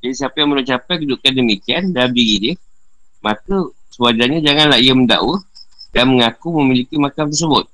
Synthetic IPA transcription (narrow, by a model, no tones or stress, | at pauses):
d͡ʒadisiapajaŋmənut͡ʃapajkəduʔkandəmikiandamdiɡidə | makəsuad͡ʒaɲad͡ʒaŋanlahijəmənda̰ʔwədanməŋakuməmilikimakamt̪̬ərsəbʊt̪̚